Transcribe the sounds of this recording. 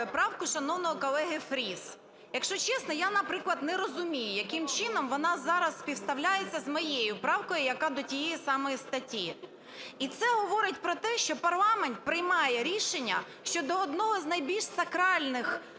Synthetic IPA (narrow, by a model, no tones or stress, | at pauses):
pɾɑwkʊʃɐnɔwnɔɦɔkɔlˠɛɦɪfɾʲis | jɐkʃt͡ʃɔt͡ʃɛsnɔjanɐpɾɪklˠɐd̪nɛɾɔzʊmʲijʊjɐkɪmt͡ʃɪnɔmʋɔnɑzɑɾɐsːʲpʲiwst̪ɐwlʲajet͡sʲːɐzmɔjejʊpɾɑwkɔjʊjɐkɑd̪ɔtʲijɛjisɑmɔjist̪ɐtʲːi | it̪sɛɦɔʋɔɾɪtʲpɾɔt̪ɛʃt͡ʃɔpɐrlˠɑment̪̚pɾɪjmɑjɛɾʲiʃenʲːɐ | ʃt͡ʃɔd̪ɔːd̪nɔɦɔznɐjbʲilʲʃsɐkɾɑlʲnɪx